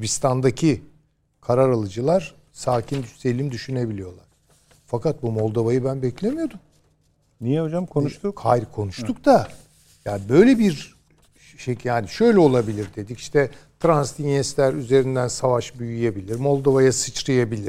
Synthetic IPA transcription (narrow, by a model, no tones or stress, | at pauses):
bist̪ʰand̪acʰi | kʰaɾaɾalˠɯd͡ʒɯlˠaɾ̥ | saːcʰind̪yst̪ʰelʲimd̪yʃyne̞bilʲijo̞lˠaɾ̥ | fakat̪̚bumolˠd̪oβajɯbænbɛclʲemyjo̞d̪um | nijɛɦod͡ʒamkʰonʃt̪ukʰajɾkʰo̞nuʃt̪ʰuk̚t̪a | jaːnbø̞jlʲebiɾ | ʃejaːniʃø̞jlʲɛo̞lˠabilʲiɾd̪e̞d̪ici̥ʃt̪ʰɛ | t̪ʰɾanst̪ʰiɲɛslʲæɾyze̞ɾind̪ænsavaʃbyjyjebilʲiɾmo̞lˠd̪ovajasɯt͡ʃɾajabilʲiɾ̥